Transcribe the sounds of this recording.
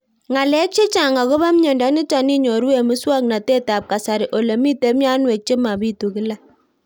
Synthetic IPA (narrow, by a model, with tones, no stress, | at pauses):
ŋa˨lɛ˦k̚t͡ʃe˦t͡ʃa˨ŋa˨ko˦βa˦m˦ɲɔ˨ndɔ˨˦ni˦ta˨ni˦ɲo˨ɾu˦e˨mɨ˦swa˦k̚na˨te˦ta˨p̚ka˨sa˨ɾɪ˨ʔo˨le˨mi˦te˦mja˦nwe˨k̚t͡ʃe˦ma˨bi˦tu˨kɪ˦la˦